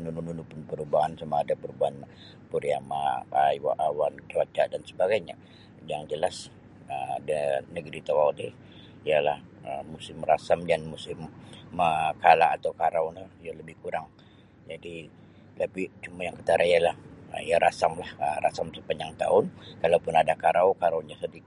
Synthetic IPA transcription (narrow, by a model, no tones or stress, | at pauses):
nunununupʊnpəɾubaɦansamaadapəɾubaɦan | puɾiamaaiwa̰ʔawant͡ʃat͡ʃadansəbaɡajɲa | jaŋd͡ʒəlas | ədənəɡɾit̪awaude | ijala̰həmusɪmrasamdanmusɪməkalaːt̪awkaɾawnajaləbɪhkuɾaŋ | d͡ʒadi | t̪apit͡ʃumajaŋkət̪aɾaijalahəijaɾasamlahərasamsəpaɲd͡ʒaŋt̪a̰ʊnkalawpʊnadakaɾawkaɾawɲasədik